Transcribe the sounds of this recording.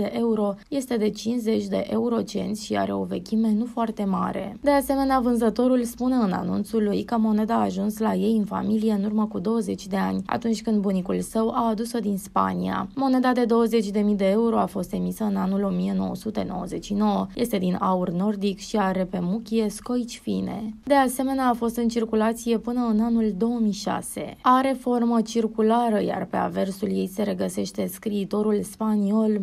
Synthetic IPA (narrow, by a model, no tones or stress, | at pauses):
d̪eʔe̞uɾo̞je̞st̪e̞d̪e̞t͡ʃinze̞t͡ʃʲd̪e̞̰ʔe̞uɾo̞t͡ʃe̞̰nt̪sʲʃia̰ɾe̞o̞ve̞̰kʲime̞nufoart̪e̞ma̰ɾe̞̰d̪e̞ase̞me̞neavɨnzət̪o̞ɾulspune̞ɨna̰nṵnt̪sulujkəmo̞ne̞d̪aːʒunslaje̞jɨnfa̰milijeɨnurməkud̪o̞wəze̞t͡ʃʲd̪e̞anʲa̰t̪unt͡ʃʲkɨnd̪bunikulsəwaːd̪uso̞d̪inspa̰nia̰mo̞ne̞d̪ad̪e̞d̪o̞wəze̞t͡ʃʲd̪e̞mid̪e̞e̞uɾo̞afo̞st̪e̞misəɨnanulo̞mije̞no̞̰wə̰sut̪e̞no̞̰wə̰ze̞t̪t͡ʃʃino̞wəjʔe̞st̪e̞d̪inaurno̞rd̪ikʃiaɾe̞pe̞mukʲie̞sko̞jt͡ʃfḭne̞̰d̪e̞ase̞me̞neaːfo̞st̪ɨnt͡ʃirkulat̪sije̞pɨnəɨnanuld̪o̞wəmijʃa̰se̞̰aɾe̞fo̞rmət͡ʃirkulaɾəja̰rpe̞a̰ve̞rsulje̞jse̞ɾe̞ɡəse̞ʃt̪e̞skɾiːt̪o̞ɾulspanio̞l